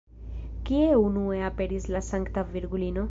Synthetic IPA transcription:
kie̞unue̞ape̞ɾislasaŋktaviɾɡulino̞

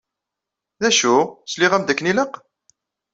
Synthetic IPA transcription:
ðæʃusliʁæmd̪ækːəniləq

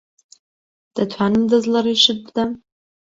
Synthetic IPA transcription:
d̥atʷʰanɨmdazlaɾaiʂɨpʼda

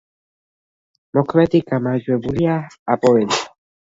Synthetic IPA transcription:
mɔkʰmɛd̪iɡamaʒwɛbuliaapʼɔɛn

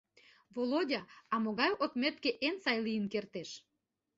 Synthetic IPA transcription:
βolodʲɑɑmoɣɑjot̪met̪keʔensɑjliənkert̪eʃ

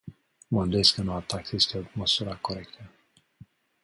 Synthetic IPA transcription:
mand̪eskənoat̪akt̪jest̪eoməsuɾakoɾɛk̚t̪ə

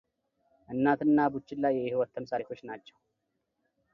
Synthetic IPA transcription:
ʔɨnːat̪ɨnːabut͡ʃːɪlajːɛjɪhwɔt̪ʰːəmsaet̪ʰo̞t͡ʃːnat͡ʃːɛw

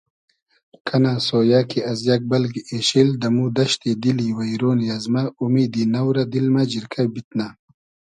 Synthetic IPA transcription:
kʰɐnasoːjaːkiɐzjak̚bɐlɡieʃild̪ɐmud̪ɐʃt̪ed̪iliwɐjɾoːnjazmaumiːd̪inɐwɾad̪ilmad͡ʒiɾkʰɐbit̪na

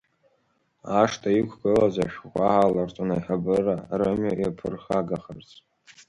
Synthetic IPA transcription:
aʂtʰʼaikʷʰɡɨlazaʃᶣʁʷaʕalart͡sʼanajħabɨrarɨmɥaʔipʰɨrχaɡaχərt͡sʼʰ

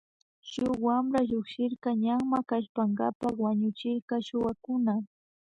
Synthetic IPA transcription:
ʃʊwamɾaʒʊkʃɪɾkaɲaŋmakaʃpaŋɡa̰paχwaɲʊt͡ʃɪɾkaʃʊwakʊna

